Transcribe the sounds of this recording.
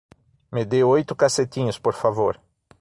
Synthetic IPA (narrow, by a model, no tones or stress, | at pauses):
med̪ewojt̪ʊkaset̪ĩɲʊspoɾfavoɾ